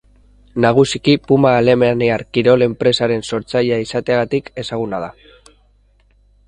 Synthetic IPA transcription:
naɣ̞usikipumaːle̞meneaɾkiɾo̞le̞mpɾe̞saɾe̞nso̞ɾt͡sajaisat̪eaɣat̪ike̞saɣ̞unað̞a

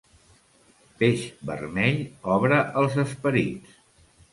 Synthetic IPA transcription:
peʃbə̰rmɛʎɔβɾəʔəlˠzəspəɾḭts

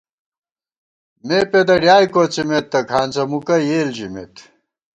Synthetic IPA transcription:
meped̪ɐɖjaːjkot͡simet̪ːɐkʰaːnt͡sɐmukɐjeːld͡ʑimḛt̪

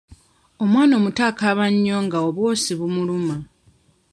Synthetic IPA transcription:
o̞mwaːno̞ːmutaːkaβaɲːo̞ŋɡaoβwo̞ːsiβumuluma

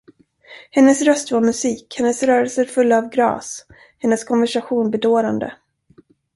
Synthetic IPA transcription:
hɛnːəsɾœst̪vaɾmɵsiːkhɛnːəsɾœːɾəlsəɾfɵlːaːvɡɾɑ̰ːs | hɛnːəskʰɔnvæʂaɧuːnbɛd̪oːɾand̪ə̰

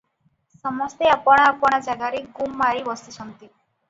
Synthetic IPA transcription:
sɔmɔst̪eapɔɽ̃aːpɔɽ̃ad͡ʒaɡaɾeɡumːaɾibɔst̪it͡ʃʰɔnt̪i

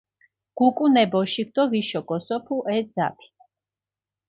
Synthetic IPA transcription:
ɡ̥ukʼunɛbɔʃik̚ʰd̪ɔviʃɔɡɔsɔpʰuʔɛd̪za̰pʰi̥

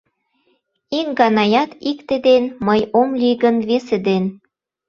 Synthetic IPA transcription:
iŋɡɑnɑjɑt̪ikt̪ed̪enməjomliɡənβesed̪en

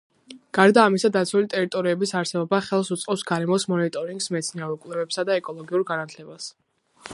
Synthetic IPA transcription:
ɡ̥aɾd̪aːmisad̪at̪sʰulit̪ʼɛɾit̪ʼɔɾiɛbisaɾsɛbɔbaχɛlˠsut̪sʼqʼɛpsɡaɾɛmɔsmɔnit̪ʼɔɾiŋɡsmɛt̪sʰniɛɾuɛkʼwlɛvɛpsad̪aɛkʼɔlˠɔɡiuɾɡanat̪ʰlɛbas

